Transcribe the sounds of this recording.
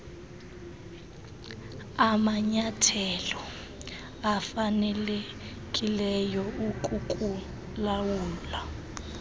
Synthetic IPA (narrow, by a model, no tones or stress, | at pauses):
amaɲatʰɛlɔ | afanɛle | kʼilɛjɔukʼukʼu | lawuːla